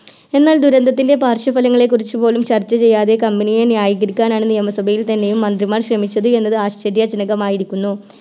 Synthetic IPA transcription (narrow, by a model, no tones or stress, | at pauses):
e̞nːaːld̪uɾɐnd̪ʱɐt̪ːinde̞paːrɕɐfɐlɐŋːɐɭe̞kːurit͡ɕːupo̞ːlumt͡ɕɐrt͡ɕːɐt͡ɕe̞jːaːðe̞kɐmbinijenijaːjiɡɐɾikʲːaːnaːɳɨnijɐmɐsɐbʱɐjilt̪ɐnːe̞jumːɐnd̪rimaːrɕrɐmit͡ɕːɐðɨe̞nːɐðɨaːɕt͡ɕɐɾjɐd͡ʑɐnɐɣɐmaːjiɾikʲːunːu